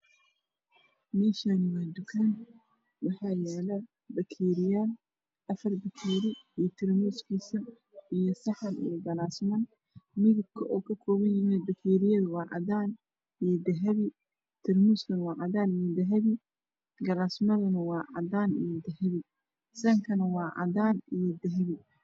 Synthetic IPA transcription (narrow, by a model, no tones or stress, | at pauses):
mɛːʃanwaːd̪ʊkʰaːn | wɑħɑːjɛːlɐ | bɐkʰiːɾɪjaːl | ʔɐfɐrbɐkʰiːɾɪjt̪ʰɪɾmuːskʰiːsɐ | ʔijɔsɐħɑnḭjɔɡɐlaːsmɐn | mɪðɪb̚kʰɐʔɔːkʰɐkʰɔːβɐnjɪmɛbɐkʰiːɾɪjɐðʊwɑːʔɑ̰ðaːn | ijɐd̪ɐɦɐβɪ | t̪ʰɪrmuskɐnɐwɑːʔɑðaːnijɐd̪ɐɦɐβɪ | ɡɐlaːsmɐðɐnɐwɑːʕɑ̰daːnḭjɐd̪ɐhɐβɪ | sɐŋkʰɐnɐwɑːʕɑ̰daːnijd̪ɐɦɐβɪ